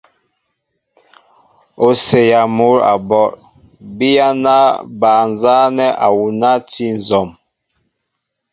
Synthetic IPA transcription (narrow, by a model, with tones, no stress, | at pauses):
o˨se˨ja˨mo˦ɾa̰˨bɔ˦ɾ | bi˦ja˦na˦baː˨n˨za˦nɛ˦ʔa˨wu˨na˦ti˦n̩˨zɔ˨m